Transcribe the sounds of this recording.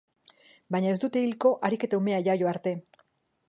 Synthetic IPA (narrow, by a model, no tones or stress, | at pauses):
baɲae̞zd̪ut̪e̞ilko̞ʔaɾike̞t̪aume̞aʝajo̞aɾt̪e̞